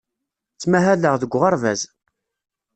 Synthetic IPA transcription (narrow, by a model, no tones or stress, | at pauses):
t͡sːmæɦæləʁðəɡʷːʁɑɾˤvæ̰z